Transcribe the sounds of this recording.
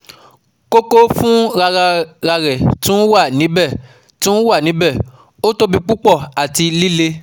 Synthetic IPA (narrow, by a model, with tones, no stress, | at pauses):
ko˦ko˦fũ˦ | ɾa˧ɾɛ˨tũ˦wa˦˨nĩ˨˦bɛ˦˨ | tũ˦wa˦˨nĩ˨˦bɛ˦˨ | o˦to˦bĩ˧k͡pu˦k͡pɔ˦˨a˨ti˧li˦le˦